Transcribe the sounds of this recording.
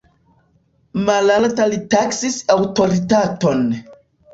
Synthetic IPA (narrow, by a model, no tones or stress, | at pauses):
malaltalitaksisawto̞ɾitato̞n